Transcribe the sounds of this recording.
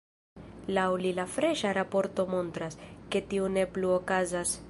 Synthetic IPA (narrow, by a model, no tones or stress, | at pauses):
lawlilafɾe̞ʃaɾapo̞ɾto̞mo̞ntɾaske̞tiune̞pluo̞kazas